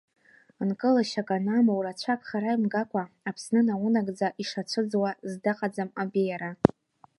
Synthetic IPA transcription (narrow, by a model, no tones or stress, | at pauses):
nkʼɨlaʃakʼanamowrat͡ɕʷʰakʼχaɾaimɡakʷʰʼaːpʰsnɨnawʊnaɡʼd͡zaʔiʂat͡ʃʷʰɨd͡zwazdaqʼad͡zamabejaɾa